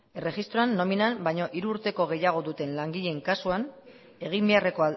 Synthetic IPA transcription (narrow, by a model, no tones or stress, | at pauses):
e̞re̞ɣist̪ɾo̞anːo̞minanbajɲo̞ʔiɾuːɾt̪e̞ko̞ɣ̞e̞jaɣ̞o̞ðut̪e̞nlaŋɡiʎe̞ŋkasuan | e̞ɣ̞imbe̞are̞ko̞a